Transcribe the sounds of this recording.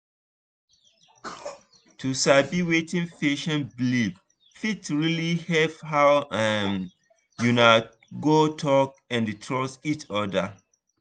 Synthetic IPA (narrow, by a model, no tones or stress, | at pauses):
tʰusabiwetĩnfeʃɔ̃nblib | fitɹilihɛvhawam | juna | ɡotʰɔk̚ | ɛ̃ntʰɹɔsitɔda